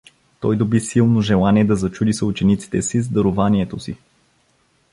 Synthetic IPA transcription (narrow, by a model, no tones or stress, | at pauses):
t̪ɔjd̪obisilˠnoʒɛlˠaniɛd̪ɐzɐt͡ʃud̪isɐut͡ʃɛnit̪si̥t̪ɛsizd̪ɐɾovaniɛt̪osi